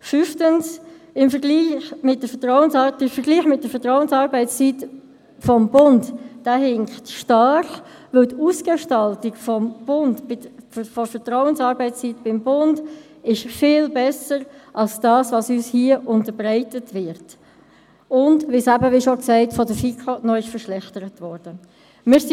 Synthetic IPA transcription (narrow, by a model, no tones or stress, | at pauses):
fyftəns | ɪmfəɾɡliːxmɪt̚d̥əfətɾɔwənsɑtɪmfəɾɡliːχmɪt̚d̥əfətʁɔʊənsɑːɾbɛɪt͡st͡sit | fɔmbʊndd̥aɦɪŋχtʃtɑχ | ʋɵltuːsɡ̥eʃtɑltiɡfɔmb̥ʊndɪfɔfəɾtɾɔʊənsɑːɾbɛɪt͡st͡sitb̥ɪmbʊnd | ɪʃfɪːlbɛsəɾʔɑlsd̥ɑːsvɑsyːshiəʔʊntəɾbɾæɪtətʋɪɾt | ʊndʋɪsæbəʋɪʃɔksæɪtfɔdəfikʰonɔɪʃfəɾʃlɛχtəɾətʋɔɾd̥ə | mɪːɾs